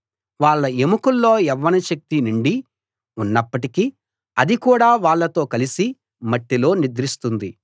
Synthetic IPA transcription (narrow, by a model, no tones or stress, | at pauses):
ʋaːɭːɐemukulːo̞ːɛʋːɐniʃɐk̚t̪inuɳɖi | unːɐpːɐʈikiː | ɐd̪ikuːɽaːʋaːɭːɐt̪o̞ːkɐlisi | mɐʈːilo̞ːnid̪ɾist̪und̪i